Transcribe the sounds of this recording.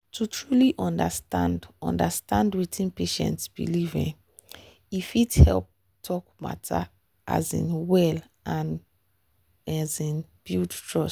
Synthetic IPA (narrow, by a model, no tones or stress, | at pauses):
tʰutʰɹuliʔɔ̃ndastãndɔ̰̃ndastãndwitʰĩnpeʃɛ̰̃ntsb̥ḭlivḭ̃n | ifidhɛ̰lp̚ | tʰɔkma̰tʰa̰ | ʔa̰zḭ̃nwɛl | ãn | azĩnb̥ildtɹɔs